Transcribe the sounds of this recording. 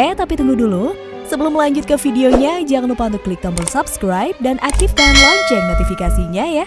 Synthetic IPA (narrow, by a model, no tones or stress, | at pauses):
ɛt̪apit̪əŋɡuhdulu | səbəlʊmːəlaɲd͡ʒut̪̚kəfideoɲad͡ʒaŋanlupaunt̪ʊkːlik̚t̪anbərsapskɾajp̚danʔak̚t̪ɪftanlɔd͡ʒɔrnot̪ifikasiɲaja